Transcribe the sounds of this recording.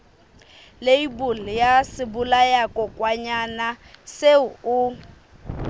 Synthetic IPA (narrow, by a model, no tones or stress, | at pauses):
leibulɪjasɪbʊlajakʼɔkʼwaɲanaseʊʊ